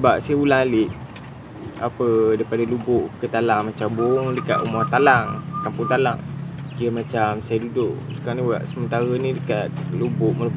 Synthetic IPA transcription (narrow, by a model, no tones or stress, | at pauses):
əbap̚sajaulaŋalɪʔ̪̚ | a̰pədaipadalubʊʔkət̪alaŋmat͡ʃambuŋdəka̰t̪umɔt̪alaŋkampʊŋt̪ala̰ŋkiəmat͡ʃamsajadudʊʔ | sə̥kaɾania̰ʔsəmənt̪aɣənĩdəkat̪̚lubʊʔməɾu